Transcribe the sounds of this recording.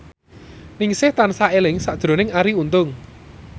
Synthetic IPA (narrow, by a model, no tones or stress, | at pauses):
nɪŋsɪht̪ansaelɪŋsad̥ɾo̤nɪŋaɾiunt̪ʊŋ